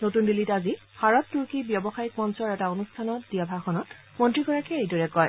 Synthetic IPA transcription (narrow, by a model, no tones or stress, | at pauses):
notundilitazi | baɹɔtːuɹkibjɔbɔxajik̚mɔnsɔɹɛtaonustʰanɔt̚dijabʱaxɔnɔt | mɔntɹikɔɹakɛejdɔɹɛkɔj